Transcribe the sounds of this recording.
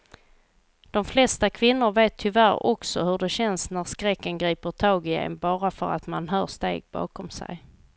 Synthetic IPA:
d̪̥ɔmflɛst̪akʰvɪnːʊɾveːt̪ʰːʏvæɾɔ̰ksɔhɵɖɛɕɛnsnæɾskɾɛkːənɡɾiːpəʈʰɑːɡɪɛ̰nbɑːɾafœɾa̰t̪manɦœːʂt̪ḛːɡ̚bɑ̰ːkɔmsæ̰j

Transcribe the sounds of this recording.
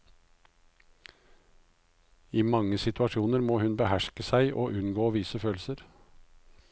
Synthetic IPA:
iːmɑŋəsɪt̪ʉɑʃuːnəɾmoːhʉnbəhæʃkəsæɪʔo̰ːʔʉnɡoːʋiːsəføːlsəɾ

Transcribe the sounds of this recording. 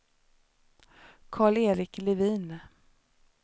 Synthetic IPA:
kʰɑːɭeːɾɪklɛviːn

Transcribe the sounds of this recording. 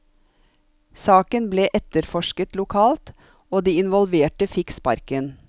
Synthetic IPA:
sɑːkənbleːʔɛt̪əɾfɔʃkət̪lʊkʰɑːlt̪ | oːd̪iːɪnʋɔlʋeːʈəfɪkspɑ̰ɾkən

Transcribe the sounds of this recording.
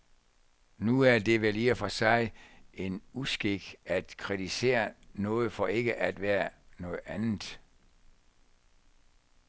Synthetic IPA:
nuæɐd̥e̝ʋeliːɐfɒsɑ̈ɪe̝nusɡ̥eɡ̥æd̥kʰʁid̥ise̝̰ːɐnɔ̽ːð̞̩ˠfɒ̽e̝ɡ̥əʔæd̥ʋæːɐnɔ̽ːð̩ˠænð̩ˠ

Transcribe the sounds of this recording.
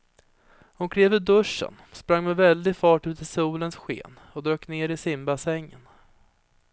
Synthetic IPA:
hʊnkʰɾeːvɵd̪ɵʂːə̰nspɾaŋːmɛvɛld̪ɪfɑːʈʉ̟ːt̪ʰɪsuːlənsɧḛːn | ɔd̪ɾøːkneːɾɪsɪmbasɛŋːən

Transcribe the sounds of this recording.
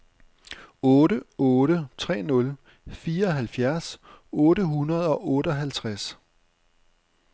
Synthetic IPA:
ɔːɾəɔːɾət͡sʰʁɛ̰ːnɔ̽l | fiːɐɒ̽ɦælfjæɐsɔ̽ːɾəɦunɐð̞ˠɒ̽ʔɔːɾəɒɦælt͡sʰʁas

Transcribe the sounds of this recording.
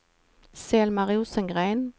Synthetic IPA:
seːlmɑʁɪuːsəŋɡʁæɪn

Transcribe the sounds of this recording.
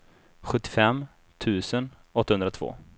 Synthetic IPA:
ɧɵt̪ːɪ̥fɛmː | t̪ʰʉ̟ːsən | ɔt̪ːahɵnd̪ɾat̪ʰv̥o̰ː

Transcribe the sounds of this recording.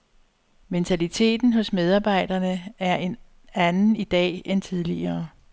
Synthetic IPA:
ment͡sʰælit͡sʰe̝̰ːd̥n̩ɦɔ̽smeð̞ˠɑ̈ːb̥ɑ̈ɪ̰d̥ɐnəæɐe̝n | ænn̩id̥ɛ̰ːent͡sʰið̞ˠliɐː

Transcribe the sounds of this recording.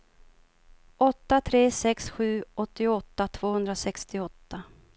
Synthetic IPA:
ɔt̪ːat̪ʰɾeːsɛksɧʉ̟ːɔt̪ːɪʊɔt̪ːat̪ʰv̥oːhɵnd̪ɾasɛkst̪ɪɔt̪ːa

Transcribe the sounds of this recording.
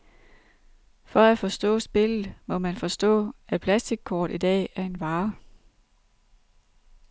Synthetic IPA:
fɒ̽æfɒ̽sd̥ɔ̰̽ːsb̥e̝lð̩ˠmɒ̽mænfɒ̽sd̥ɔ̰̽ːæpʰlæsd̥iɡ̥̚kʰɒːd̥id̥ɛ̰ːæɐe̝nʋɑ̈ː

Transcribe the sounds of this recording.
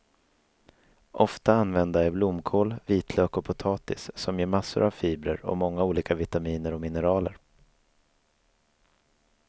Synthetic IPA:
ʔɔft̪aanvɛnd̪aæɾblʊmkʰoːlviːt̪ʰløːkɔpʰʊt̪ʰɑːt̪ɪsːɔmjeːɾmasːʊ̰ɾʔavfiːbɾə̰ɾɔ̰mɔŋːauːliːkavɪt̪amiːnəɾɔmɪnɛɾɑːlə̰ɾ

